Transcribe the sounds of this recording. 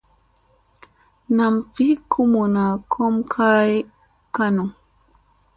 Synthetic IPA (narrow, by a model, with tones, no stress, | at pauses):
na˨mfi˦kʰu˦mu˨na˨kʰɔ˦mkʰa˦j | ka˦nu˨